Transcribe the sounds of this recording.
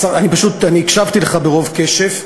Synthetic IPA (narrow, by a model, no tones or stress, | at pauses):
saanipaʃut̪aniːkʃavt̪ileχabe̞ʁo̞vke̞ʃe̞v